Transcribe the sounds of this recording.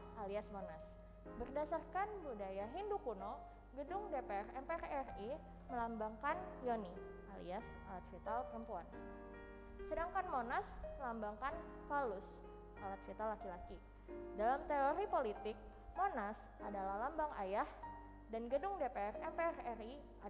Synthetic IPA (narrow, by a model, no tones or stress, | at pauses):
ʔaliasmonas | bərdasarkanbudajaɦindukuno | ɡədʊŋdepeɛrɛmpeɛrɛri | məlambaŋkanjoni | ʔalḭas | alat̪̚fit̪alpəɾəmpuan | sədaŋkanmonasməlambaŋkan | kalʊs | ʔalat̪̚fit̪alːakilaki | dalamt̪eoɾipolit̪ɪk̚ | monas | ʔadalahlambaŋajah | danɡədʊŋdepeɛrɛmpeɛrɛri | a